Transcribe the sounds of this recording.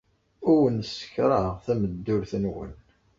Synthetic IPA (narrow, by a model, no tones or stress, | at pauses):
ʊwənsə̥kɾˤəʁθæməd̪ːʊɾθənwə̰n